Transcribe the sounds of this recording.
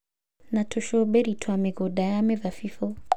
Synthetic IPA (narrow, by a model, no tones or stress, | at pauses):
natʰɔʃɔbɛɾitʰwamɛɡɔdajamɛðafifɔ